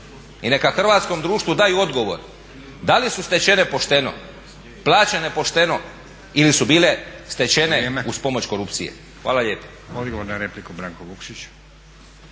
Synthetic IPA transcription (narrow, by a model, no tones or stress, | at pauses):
ine̞kaxr̩ʋaːt̪sko̞md̪ɾuːʃt̪ʋud̪aːjuo̞d̪ɡo̞ʋo̞̰ɾ | d̪alisust̪et͡ɕe̞ne̞po̞ʃt̪eno̞̰ | plˠaːt͡ɕene̞po̞ʃt̪e̞no̞ | ilisubiːle̞st̪e̞t͡ɕe̞neuspo̞mo̞t͡ɕko̞ɾupt̪sijḛ | xʋaːlaʎeːpḁ | od̪ɡoʋoɾnaɾeplikubɾaːŋkoʋukʃit͡ʃ